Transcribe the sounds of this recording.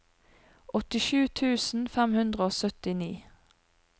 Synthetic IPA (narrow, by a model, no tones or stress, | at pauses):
ʔɔt̪ɪʃʉːt̪ʰʉːsn̩fɛmhʉnd̪ʁəoːsœt̪ɪniː